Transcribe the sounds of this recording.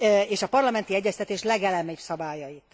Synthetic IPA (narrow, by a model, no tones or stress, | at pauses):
eːʃɒpɒrlɒmɛnt̪iɛɟːɛst̪ɛt̪eːʃlɛɡɛlɛmɛpsɒbaːjɒjit̪